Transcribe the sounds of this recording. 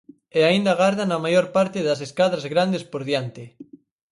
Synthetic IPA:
eaind̪aɣaɾðanamajoɾpaɾt̪eðaseskaðɾazɣɾand̪espoɾðjant̪e

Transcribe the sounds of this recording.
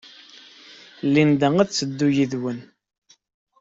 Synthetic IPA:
lːind̪əŋæðt͡sːəd̪ːujiðwən

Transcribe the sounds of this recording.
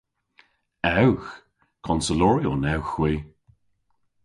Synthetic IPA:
ɛwx | kʰɔnsəlɔɹionɛwxwiː

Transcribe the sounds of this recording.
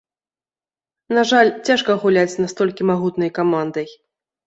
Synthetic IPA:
naʐalʲt͡sʲaʂkɐɣulʲat͡sʲnast̪ɔlʲkʲimaɣut̪nɐjkamand̪ɐj

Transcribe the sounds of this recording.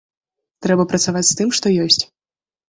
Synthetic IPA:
t̪ɾɛbɐpɾɐt̪savat͡sʲst̪ɨmʂt̪ɔjɔsʲt͡sʲ

